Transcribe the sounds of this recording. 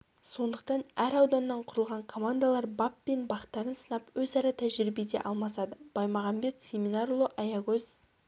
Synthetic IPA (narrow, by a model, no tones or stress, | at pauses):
so̞nd̪əq̚t̪ɑnæɾɑwd̪ɑnːɑɴqʰʊɾəlˠʁɑɴkʰo̞mand̪alˠɑɾbɑpːe̞nbɑqə̥t̪ːɑɾənsə̥nɑpwɵzɑɾɑt̪ʰæʒɾibe̞d̪e̞̰ʔɑlˠmɑsɑd̪əb̥ɑjmɑʁɑmbe̞t̪sʲe̞mʲinɑɾulˠoʔɑjɑɡɵz